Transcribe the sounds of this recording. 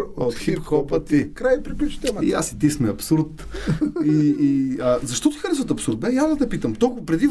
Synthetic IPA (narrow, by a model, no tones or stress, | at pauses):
ot̪t̪xipxɔpət̪ikɾajpɾipit͡ʃə̥t̪ɛmia̰sit̪ismɛɐpsuɾt̪ | iːəzɐʃt̪ɔt̪ixɐɾɛs̬vət̪ɐpsuɾt̪mɛjazd̪ɐt̪ɛpit̪əmt̪ɔlˠkʊɐpɾɛd̪i